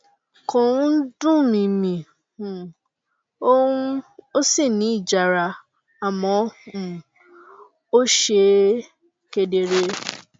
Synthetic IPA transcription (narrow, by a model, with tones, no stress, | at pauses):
kõ˨˦dũ˦mĩ˧mĩ˨ | ũ˨ | o˦u˦o˦si˦˨nĩ˨˦i˦˨d͡ʒa˨ɾa˧ | a˨mɔ̃˨˦ũ˨ | o˦ʃe˧ | ke˧de˨ɾe˧